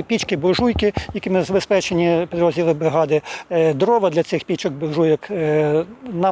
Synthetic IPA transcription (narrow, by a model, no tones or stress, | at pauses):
pʲit͡ʃkɪbɔʒujkɪjɐkɪmɪzɐbespɛt͡ʃenʲipʲid̪ɾɔzʲdʲilˠɪbɪɦɑd̪ɪd̪ɾɔʋɐd̪lʲɐsɪxpʲit͡ʃɐk̚bɔʒujɐk | nɐ